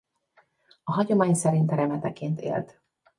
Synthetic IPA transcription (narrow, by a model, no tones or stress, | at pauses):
ɒɦɒɟo̞maːɲsɛɾint̪ɾɛmɛt̪ɛkeːnt̪ḛːlt̪